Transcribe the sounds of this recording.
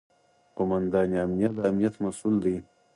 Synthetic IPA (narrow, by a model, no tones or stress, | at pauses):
qʊmand̪ɑːniamnijat̪̚d̪əamnijat̪masuld̪i